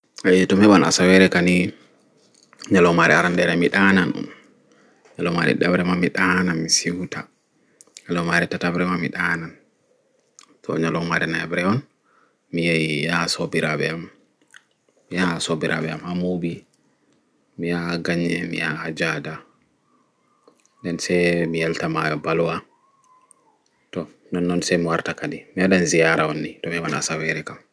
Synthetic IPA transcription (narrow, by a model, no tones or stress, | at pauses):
ajtumhɛɓana̰sawɛɾɛkani | ɲalɔmaɾɛ̰aɾandɛɾɛmiɗananṵm | ɲalɔma̰ɾɛ̰ɗabɾɛmamiɗanamisiwta | ɲalɔmaɾɛtatabɾɛmamḭɗaːnan | tɔ̰ɲalɔmaɾɛnaɛbɾɛɔn | mijajijasobiɾaɓɛ̰am | mijasobiɾʔa̰ɓɛa̰mhamubi | mijaɡaɲːɛmḭja̰had͡ʒada | ɗɛnsɛmijaltamajɔbaluwa | tɔ | nɔnːɔnsɛmiwaɾtakaɗimiaɗanzijaːɾawonːitɔmiwana̰sawɛɾɛkam